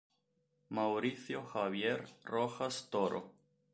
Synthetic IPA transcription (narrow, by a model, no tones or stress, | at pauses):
mawɾiθjoxaβjeɾroxast̪oɾo̰